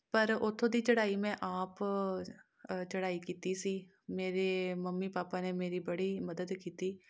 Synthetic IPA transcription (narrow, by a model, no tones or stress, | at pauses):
pəɾʊt̪ʰːõːd̪iːt͡ʃəɽaːiːmɛ̃ːʔaːp | t͡ʃəɽaːiːkiːt̪iːsiː | meːɾeːməmːiːpaːpaːneːmeːɾiːbəɽiːməd̪əd̪kiːt̪iː